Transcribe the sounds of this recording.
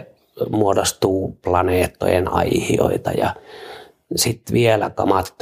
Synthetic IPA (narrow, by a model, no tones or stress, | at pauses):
muodost̪uːplɑneːt̪ːo̰jenɑihḭo̰it̪ɑ̰jɑ̰ | sit̪ʋielækɑmɑt̪ː